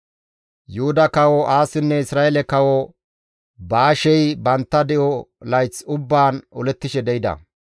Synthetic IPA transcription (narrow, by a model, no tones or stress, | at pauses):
jʊhʊd̪ɐkɐwɔʔaːsɪnːɛɪsɾaːjɛlɛkɐwɔ | baːʃɛjbɐnt̪ːɐd̪ɛʔɔlɐjt͡sʊbːaːnɔlɛt̪ːɪʃɛd̪ɛjɪd̪ɐ̰